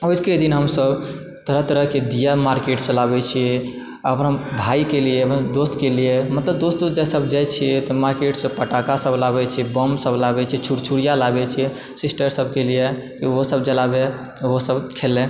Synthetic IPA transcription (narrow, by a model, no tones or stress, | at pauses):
ojd͡ʒked̪inɦəmsəb | t̪əɾəɦt̪əɾəɦked̪ijamaɾkeʈsə̃labɛt͡ʃʰiɛ | əpnabʱaikelied̪ost̪kelijemət̪ləb̚d̪ost̪̚d̪ot̪d͡ʒasəbd͡ʒajt͡ʃʰiɛt̪ɔmaɾkeʈsəpəʈakasəbʱlabɛt͡ʃʰibəmsəblabɛt͡ʃʰiɛt͡ʃʰuɽt͡ʃʰuɾijalabɛt͡ʃʰiɛ | sisʈəɾsəbkeliekiosəbd͡ʒəlabe | osəbkʰelẽ